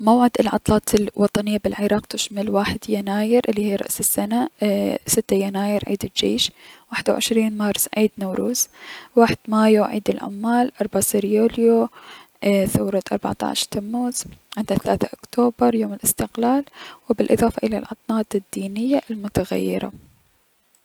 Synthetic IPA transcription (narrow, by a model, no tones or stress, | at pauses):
mawʕɪd̪ɪlʕɑ̰t̪ˤlɑːt̪ʰɪlwɑt̪ˤɑnɪjːabɪlʕɪɾˤɑːqt̪ɪʃmalwaːħɪd̪janaːjɪɾʔɪlːihiːɾˤɑ̰ʔsɪsːanasɪt̪ːajanaːjɪɾʕḭːd̪ɪld͡ʒḛːʃwaːħɪd̪awʕɪ̰ʃɾiːnmɑɾˤsˤʕiːd̪nawɾuːzwaːħɪd̪̥maːjoʕiːd̪ɪlʕa̰mːaːlʔɑɾˤbʕasɪɾjoːljoʔθawɾˤɑt̪ʔɑ̰ɾˤba̰ʕt̪ˤɑ̰ʕʃt̪amːuːz̥ʕɪnd̪aθalaːθaʔʊkt̪ʰoːbɑɾˤjoːmɪlɪst̪ɪqlaːlwɪbɪlʔɨðˤɑːfɑʔɪla̰lʕɑt̪ˤnɑːt̪ɪd̪ːiːnɪjːaʔlmʊt̪aɣa̰jːɪ̰ɾa̰